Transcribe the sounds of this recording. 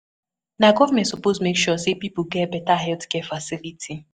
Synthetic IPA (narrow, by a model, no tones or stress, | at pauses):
naɡɔvamɛ̃ntsɔposmekʃɔsepipuɡɛtbɛtaɦɛltkɛfasilitʰi